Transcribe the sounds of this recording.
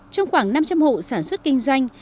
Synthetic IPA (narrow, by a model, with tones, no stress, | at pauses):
t͡ɕɔ˧wŋ͡mxwaː˧˩ŋna˧mt͡ɕa˧mho̰˧˨saː˧˩nswə˦˥t̚kï˧ŋ̟zwa˧jŋ̟